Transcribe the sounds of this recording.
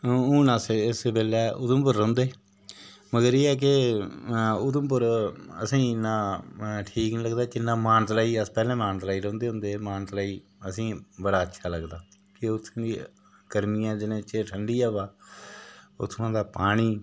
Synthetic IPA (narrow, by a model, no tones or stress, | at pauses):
ũːnãːsɪsbeːlɛːʔʊd̪əmpʊɾːə̃ːnd̪eː | məɡəɾeːɛːk̬ɪ | ʊd̪əmp̬ʊɾəsĩːnːãːʈʰiːknĩləɡd̪aːt͡ʃɪnːãːmaːnt̪laːiːəspɛːlɛ̃ːmaːnt̪laːiːɾõːnd̪eːɦʊ̃nd̪eːmaːnt̪laːiː | əsĩːbəɽaːətːʃʰaːləɡd̪aː | kɪʊt̪ʰːiː | ɡəɾmijãːd͡ʒɪnẽːt͡ʃeʈʰəɳɖiːaːʋaː | ʊ̰t̪ʰːnãːd̪aːpaːɽ̃iː